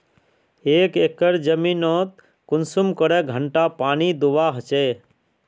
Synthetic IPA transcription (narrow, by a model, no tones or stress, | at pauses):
eːkeːkəɾd͡ʒəminot̪̚ | kʊnsumkəɾeɡʱəɳʈapaːnid̪uʋaɦət͡ʃe